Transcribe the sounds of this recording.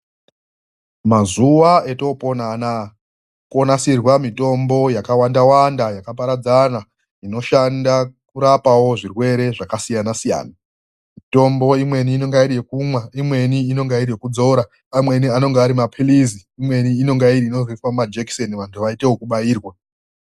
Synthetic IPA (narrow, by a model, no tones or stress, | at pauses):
mazuae̞to̞po̞naːna | ko̞nasirwamito̞mbo̞jakawandawandajakapaɾad͡zana | ino̞ʃandakuɾapawo̞ʐirwe̞ɾe̞ʐakasijanasija̰ːna | mito̞mbo̞imwe̞niːno̞ŋɡaiɾije̞kumwaimwe̞niːno̞ŋɡaiɾijekud͡zo̞ɾa | amwe̞niano̞ŋɡeaɾimapʰiliziːmwe̞niːno̞ŋɡaiɾiːno̞ziifamad͡ʒeksoniʋantʰuʋaite̞wokuɓajiːrwa